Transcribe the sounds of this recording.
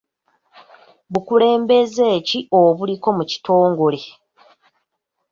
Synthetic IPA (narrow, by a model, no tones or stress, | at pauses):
βukule̞ːmbe̞ze̞ːcio̞βuliko̞muci̥to̞ːŋɡo̞le̞